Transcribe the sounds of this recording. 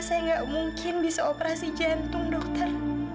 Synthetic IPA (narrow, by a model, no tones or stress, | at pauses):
sajaŋɡaʔmuŋkʰɪnbisaopəɾasid͡ʒant̪ʊŋdɔk̚t̪ər